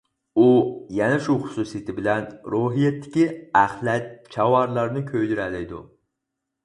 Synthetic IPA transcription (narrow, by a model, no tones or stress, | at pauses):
ujɛnɛʃuχʊ̥susijt̪ʰɪbɪlɛnɾoɦijɛt̪ːɪ̥kʲiæχlɛt̪̚t͡ʃʰɑwɑɾlˠɑɾnɨkʲʰøjd̪yɾɛlɪjd̪ṵ